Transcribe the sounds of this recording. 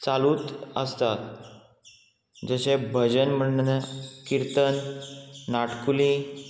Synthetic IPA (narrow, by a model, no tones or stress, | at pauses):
t͡saluːt̪əst̪at̪̚ | d͡zəɕebʱəd͡ʑənm̤əɳnəkiɾt̪ənː | aʈkulĩ